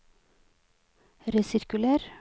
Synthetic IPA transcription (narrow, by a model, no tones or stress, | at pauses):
ɾɛsɪɾkʉlæːɾ